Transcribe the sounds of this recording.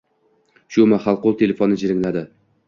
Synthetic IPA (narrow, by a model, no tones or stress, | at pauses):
ʃʊmaχɑlˠqolˠt̪ʰe̞lʲefonːɪd͡ʒɪɾɪŋlad̪ɪ